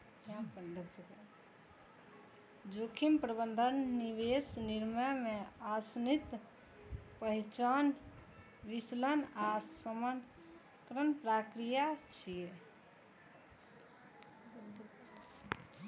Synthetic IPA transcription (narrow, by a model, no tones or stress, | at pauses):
ãpəd̪ʱəkt͡ʃək | d͡ʒokʰimpɾəbənd̪ʱənːiʋesniɾməjmeasnit̪ | pəɦit͡ʃan | ʋislənasəmən | kɾənpɾakɾijat͡ʃʰije